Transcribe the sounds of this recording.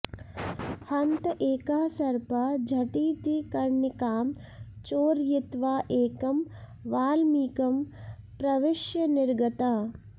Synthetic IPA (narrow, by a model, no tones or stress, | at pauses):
hɐnt̪ʔeːkaːsɐɾpɐd͡ʒʱɐʈiːt̪ikɐɾnikaːm | t͡ʃoːɾjit̪ʋaːʔeːkɐm | ʋaːlmiːkɐm | pɾɐʋɪʃjɐnɪɾɡɐt̪aː